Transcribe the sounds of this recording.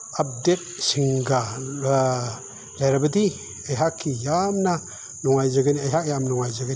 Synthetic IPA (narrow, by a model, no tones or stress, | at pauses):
ap̚det̚siŋɡa | lajɾabɐdi | ajɦakʰːijamna | nɔŋajzaɡɯniajɦak̚jamnɔŋajzaɡɯn